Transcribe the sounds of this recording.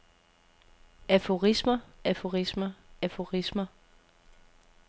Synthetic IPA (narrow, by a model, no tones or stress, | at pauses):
æfo̝ʁismɐæfo̝ʁismɐæfo̝ʁismɐ